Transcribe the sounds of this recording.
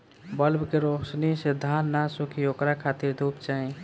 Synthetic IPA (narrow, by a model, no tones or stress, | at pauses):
bəlbkeɾoːsnised̪ʱaːnːasũkʰioːkɾakʰat̪iɾd̪ʱuːpt͡ʃaːĩ